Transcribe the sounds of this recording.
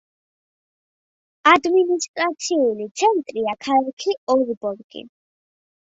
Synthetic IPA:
ad̪minist̪ʼɾat̪sʰiulit̪sʰɛnt̪ʼɾiakʰalakʰiɔɾibɔlɡḭ

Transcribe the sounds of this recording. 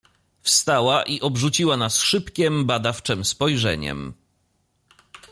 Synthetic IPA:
fst̪awaʔiʔɔbʐut͡ɕiwanasʂɘpkʲɛmbad̪aft͡ʂɛmspɔjʐɛ̰ɲɛ̰m

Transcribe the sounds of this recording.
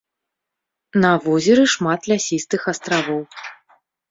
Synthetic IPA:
nɐvɔzʲɛɾɨʂmat̪lʲasʲist̪ɨxɐst̪ɾavɔw

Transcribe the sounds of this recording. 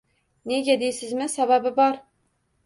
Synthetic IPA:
neɡʲɛd̪ejsɪzmɪsæbæbɪbɑɾ

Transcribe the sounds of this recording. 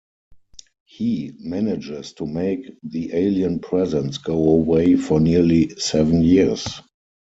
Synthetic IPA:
himænɪd͡ʒɪstʰumeɪkðiʔeɪliə̃npʰɹɛzə̃nsɡ̥oʊəweɪfɔnilisɛvə̃njis

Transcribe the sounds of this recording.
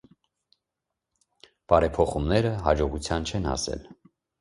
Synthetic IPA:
b̥ɑɾɛpʰɔχumnɛɾəɦɑd͡ʒɔʁut͡sʰjɑnt͡ʃʰɛnɑ̰sɛ̰l

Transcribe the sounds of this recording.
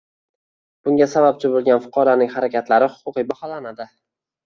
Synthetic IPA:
b̥ʊŋɡʲasabap̚t͡ʃʰɪbolˠɡʲanfʊ̥qʰɒɾanɪŋhaɾakʲat̪laɾɪhʊ̥qʰʊqibahɒlanad̪ɪ

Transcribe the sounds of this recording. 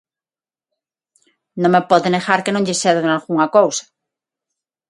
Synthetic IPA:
nõŋmepɔðeneɣaɾkenõŋʎeseððnalɣuŋakowsḁ

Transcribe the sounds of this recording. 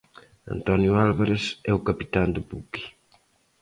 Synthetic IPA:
a̰nt̪ɔnjualβaɾesɛukapi̥t̪and̪upuki̥

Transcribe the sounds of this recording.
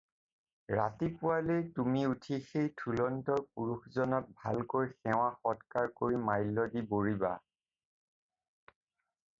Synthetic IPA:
ɹa̰tipʊwalejtumiutʰixejtʰulɔntɔɹpuɹuxzɔnɔt̚bʱa̰lkojxɛw̃axɔtkaɹkoɹimajlːɔdiboɹiba̰

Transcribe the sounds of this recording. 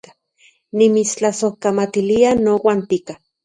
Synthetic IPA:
a | nimit͡st͡ɬasohkamat̪ilianowant̪ika

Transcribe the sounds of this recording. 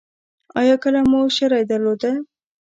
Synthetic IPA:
ɑ̰jɑkəlamuʃəɾɑjd̪aɾlod̪a

